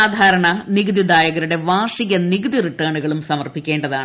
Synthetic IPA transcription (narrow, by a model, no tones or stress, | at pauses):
aːd̪ʱaːɾɐɳɐniɡɐd̪id̪aːjɐɣɐɾuɽe̞ʋaːʂiɣɐniɡɐd̪iriʈːɐːɳuɣɐɭumsɐmɐrbʱikʲːe̞ːɳɖɐðaːɳɨ